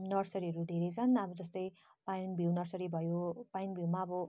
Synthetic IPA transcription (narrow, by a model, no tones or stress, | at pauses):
nʌrsʌɾiɦʌɾud̪ʱeɾʌjt͡sʰʌnʌbʌd͡zʌst̪ʌj | pajnbʱiwnʌrsʌɾibʱʌjopajnbʱiwmaːbʌ